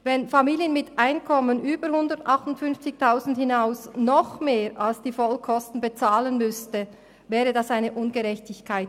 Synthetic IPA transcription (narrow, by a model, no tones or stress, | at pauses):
vɛnfamiːljənmɪtʔaɪnkʰɔmənʔyːbəɾhʊndətʔɑχtʊntfʏnft͡sɪçtʰaʊzn̩thɪnaʊsnɔχmeːɾalsd̥iːfɔlkʰɔstn̩bet͡saːlənmʏstə | vɛːʁədɑsaɪnəʔʊnɡəʁɛçtɪçkʰaɪt